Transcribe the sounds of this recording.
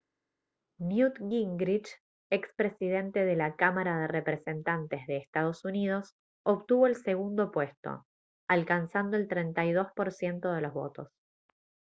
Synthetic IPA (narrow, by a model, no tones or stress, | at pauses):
njut̪ɡiŋɡɾit͡ʃ | ekspɾe̞siðe̞nt̪e̞ðelakamaɾaðerepɾese̞nt̪ant̪e̞zðe̞ːst̪að̞o̞sunið̞o̞s | oβt̪uβo̞else̞ɣund̪o̞pwe̞st̪o̞̰ | alkansand̪o̞e̞lt̪ɾent̪ajðo̞spo̞ɾsje̞nt̪o̞ð̞e̞lo̞zβo̞̰t̪o̞̰s